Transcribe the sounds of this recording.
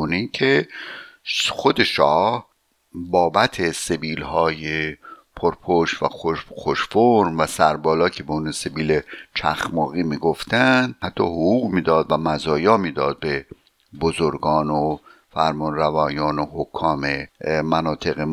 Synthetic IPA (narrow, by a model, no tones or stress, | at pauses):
onicʰe | xod̪e̞ʃɒːh | bɒːbæt̪ʰese̞biːlhɒːjepʰoɾpʰoʃvæ̰xoxoʃfoɾmvæsæɾbɒːlɒːcʰe̞beunse̞biːlet͡ʃʰæ̰xmɒːɣiːmiːɡoft̪ænd̪hæt̪ʰːɒːhoɣuːɣmiːd̪ɒːd̪væmæzɒːjɒːmiːd̪ɒːd̪̚be̞ | bozoɾɡɒːno | fæɾmɒnɾævɒːjɒːnohokʰːɒːmemænɒːt̪ʰe̞ɣe